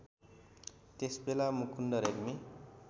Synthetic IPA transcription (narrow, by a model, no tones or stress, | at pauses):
t̪esbelamukʰundʌɾeɡmi